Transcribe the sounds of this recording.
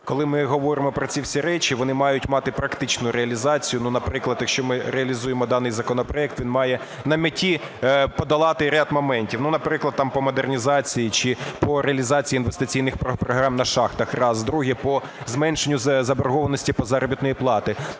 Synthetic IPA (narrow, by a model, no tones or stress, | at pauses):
kɔlˠɪmɪɦɔʋɔɾɪmɔpɾɔt͡sʲiwsʲiɾɛt͡ʃiʋɔnɪmɑjʊtʲmɑt̪ɪpɾɐkt̪ɪt͡ʃnʊɾeɐlʲizɑt͡sʲijʊnunɐpɾɪklˠɐd̪jɐkʃt͡ʃɔmɪɾeɐlʲizujemɔd̪ɑnɪjzɐkɔnɔpɾɔɛk̚t̪ʋʲinmɑjɛ | nɐmʲɐtʲːi | pɔd̪ɐlˠɑt̪ɪɾʲad̪mɔmɛnʲtʲiwnunɐpɾɪklˠɐd̪̚t̪ɑmpɔmɔd̪ernʲizɑt͡sʲijit͡ʃɪpɔɾeɐlʲizɑt͡sʲijinʋest̪ɪt͡sʲijnɪxpɾɔpɾɔɦɾɑmnɐʃɑxt̪ɐxrɑzd̪ɾuɦipɔ | zmɛnʃenʲːʊzzɐbɔɾɦɔʋɐnɔsʲtʲipɔzɑɾɔbʲit̪nɔjiplˠɑt̪ɪ